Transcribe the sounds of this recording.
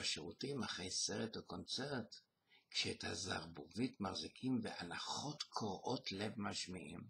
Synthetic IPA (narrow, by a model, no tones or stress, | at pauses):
aʃeʁutimaχʁejse̞ʁetoko̞nt͡se̞ʁt | kʃeːtha̰za̰ʁbuvitmaʁzikʰimveʔanaχo̞tkʰoʁʔotle̞vmaʃmiʔim